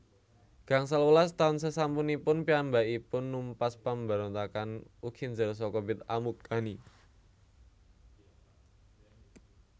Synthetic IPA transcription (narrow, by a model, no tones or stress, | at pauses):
ɡ̥a̤ŋsalulast̪aʊnsəsampunipʊnpiambaʔipʊnːumpaspambaɾɔnt̪akanukʰind͡ʒəɾs̬ɔkɔbɪt̪a̰muk̚ani